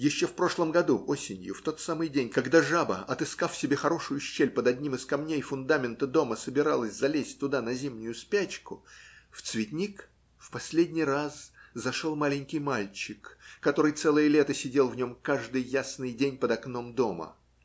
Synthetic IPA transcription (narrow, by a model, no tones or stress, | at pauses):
jɪɕːo̞fpɾo̞ʂlˠəmɡɐd̪uʔo̞sʲɪnʲjʊ̰ft̪o̞t̪samɨjdʲenʲkɐɡd̪aʐabə̰ɐt̪ɨskafsʲɪbʲe̞xɐɾo̞ʂʊjʊɕːelʲpəd̪ɐdʲnʲimɨskɐmnʲejfʊnd̪amʲɪnt̪əd̪o̞məsəbʲɪɾalˠəsʲzɐlʲesʲtʲt̪ʊd̪anɐzʲimnʲʊjʊspʲæt͡ɕkʊft̪svʲɪt̪ʲnʲik | fpɐsʲlʲedʲnʲɪjraszɐʂolˠmalʲɪnʲkʲɪjmalʲt͡ɕɪkːɐt̪o̞ɾɨjt̪sɛlˠəjəlʲet̪əsʲɪdʲe̞lˠvnʲo̞mkaʐd̪ɨjːasnɨjdʲenʲpəd̪ɐkno̞md̪o̞mə̰